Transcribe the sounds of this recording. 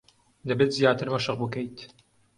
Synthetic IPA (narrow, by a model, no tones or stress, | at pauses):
d̪ɐbet̪zjaːt̪ɨɾmɐʃɨq̚bɨkejt̪